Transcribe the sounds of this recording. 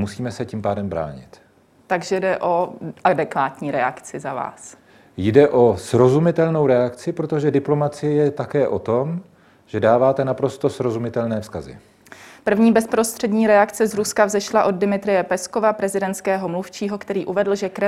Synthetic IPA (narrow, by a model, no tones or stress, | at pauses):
musiːmɛsɛcimpaːdɛmbɾa̰ːɲɪ̰t̪ | t̪aɡʒɛdɛʔo̞ʔadɛkvaːt̪ɲiːɾɛa̰kt͡sɪzava̰ːs | jdɛʔo̞sɾo̞zumɪt̪ɛlno̞wɾɛakt͡sɪpɾot̪o̞ʒɛdɪplomat͡sɪjɛjɛt̪akɛːʔo̞t̪o̞m | ʒ̥ɛdaːvaːt̪ɛnapɾo̞st̪o̞sɾo̞zumɪt̪ɛlnɛːfskazɪ̰ | pr̩vɲiːbɛspɾo̞st̪r̝̥ɛdɲiːɾɛakt͡sɛzɾuskavzɛʃlaʔo̞d̚dɪmɪt̪ɾɪjɛpɛsko̞vapɾɛzɪdɛnt̪t͡sskɛːɦo̞mluft͡ʃiːɦo̞kt̪ɛɾiːʔuvɛdl̩ʒɛkɾɛ